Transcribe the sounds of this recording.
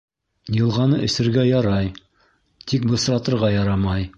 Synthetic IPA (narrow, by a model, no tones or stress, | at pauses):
jɤ̆lˠʁɑnɤʔɵ̆sɘ̆ɾɡæjɑɾɑj | t̪ʰik̚bɤ̆sɾɑt̪ɤ̆ɾʁɑjɑɾɑmɑj